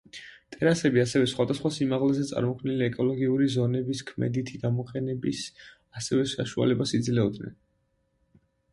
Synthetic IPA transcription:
t̪ʼɛɾasɛbiasɛvɛsχwad̪asχwasimaʁlɛzɛt̪sʼa̰ɾmɔkʰvniliɛkʼɔlˠɔɡiuɾizɔnɛbiskʰmɛ̰d̪it̪ʰiɡamɔqʼɛnɛbis | asɛvɛʃaʃua̰lɛbasid̪zlɛɔd̪nɛ̰n

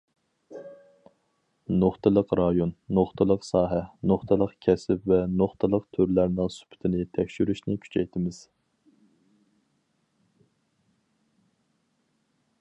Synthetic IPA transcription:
noχt̪ʰɨlˠəqɾɑjonːoχt̪ʰɨlˠəqsɑːɦɛnoχt̪ʰɨlˠəqkʲʰɛsɪpvɛnoχt̪ʰɨlˠəqt̪ʰøɾlæɾnɨŋsy̥pʰt̪ʰɪnɪt̪ʰɛkʲʃyɾyʃnɪkʲʰy̥t͡ʃʰɛjt̪ʰɪmɪz̥

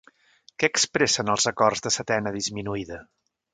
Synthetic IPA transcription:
kɛːkspɾɛsənəlˠzəkɔrzðəsət̪ɛnəðizminuiðə

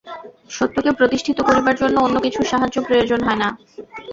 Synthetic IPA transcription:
ʃot̪ːokepɾot̪iʃʈʰit̪okoɾibaɾd͡ʑonːoonːokit͡ɕʰuʃaɦad͡ʑopɾojod͡ʑonɦɔena

